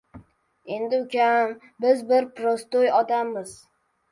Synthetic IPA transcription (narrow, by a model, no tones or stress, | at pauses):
e̞nd̪ɪʊkʲʰam | bɪzbɪɾpɾost̪ojɒd̪amːɪz̥